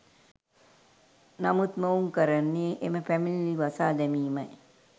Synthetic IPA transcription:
namut̪məuŋkəɾanːeːʔeməpæmililiʋasaːd̪ɛmiːmaj

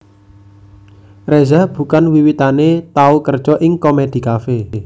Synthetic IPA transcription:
rezab̥ṳkanwiwit̪anet̪aukərd̥ʒ̥ɔʔɪŋkomed̪̥i̤kafe

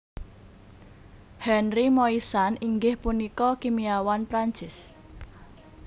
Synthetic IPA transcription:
hɛnrimɔisaniŋɡɪhpunikɔkimiawanpɾaɲt͡ʃɪs

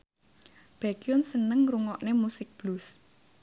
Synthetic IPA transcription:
b̥akiʊnsənəŋruŋɔʔnemusɪk̚b̥lus

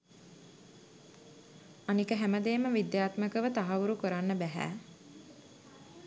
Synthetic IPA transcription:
anikəɦæməd̪eːməʋid̪jaːt̪məkəʋət̪aɦaʋuɾukuɾanːəbæɦæ̰ː

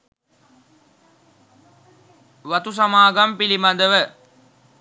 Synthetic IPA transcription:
ʋɐt̪us̬ɐmaːɡɐmpilimɐd̪əʋə

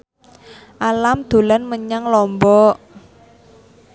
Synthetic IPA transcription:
ʔalamd̪̥o̤lanməɲaŋlɔmbɔʔ

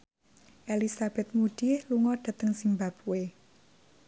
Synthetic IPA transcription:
ʔelisab̥ɛ̤t̪̚muɖ̥ihluŋɔɖ̥ä̤t̪əŋsiŋbap̚we

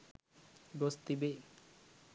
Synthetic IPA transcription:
ɡost̪ibe

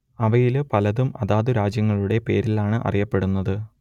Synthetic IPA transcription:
ɐʋɐjilpɐlɐðumɐ̰ðaːðuɾaːd͡ʑjɐŋːɐɭuɽe̞pe̞ːɾilaːɳɨʔɐ̰rijɐpːe̞ɽunːɐðɨ

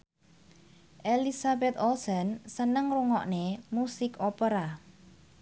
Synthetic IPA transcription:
ʔelisabɛt̪ɔlsənsənəŋruŋɔʔnemusɪkɔpəɾa

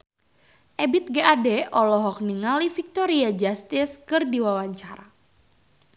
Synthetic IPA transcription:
ʔɛbɪt̪̚ɡaʔadɛɔlɔɦɔk̚niŋalifik̚t̪ɔɾiad͡ʒast̪ɪskɨrdiwawaɲt͡ʃaɾa

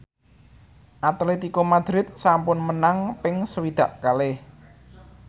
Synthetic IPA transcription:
ʔat̪let̪ikomad̪̥ɾɪt̪̚sampʊnmənaŋpɪŋsəwid̪̥a̤ʔkalɪh

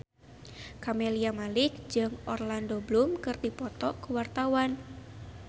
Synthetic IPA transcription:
kameliamalɪk̚d͡ʒɨŋɔrlandoblumkɨrd̪ipɔt̪ɔkuwart̪awan

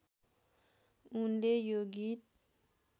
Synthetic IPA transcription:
undejoɡit̪̚

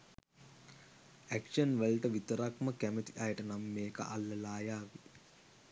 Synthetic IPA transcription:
ækʂənʋelʈəʋit̪əɾakməkæmet̪iʔajəʈənamːeːkə̰ʔa̰lːɐlaːjaːʋi

